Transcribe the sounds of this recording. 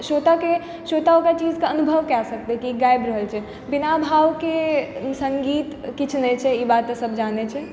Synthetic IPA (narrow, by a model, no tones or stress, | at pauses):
ʃoːt̪ake | ʃoːt̪aokat͡ʃiːzkaənubʱəʋkɛsək̚t̪ekiɡaːjbɾəɦəlt͡ʃʰɛ | bɪnabʱaːʋkesə̃ŋɡiːt̪kɪt͡ʃʰnɛt͡ʃʰɛibaːt̪səbd͡ʒaːnet͡ʃʰɛ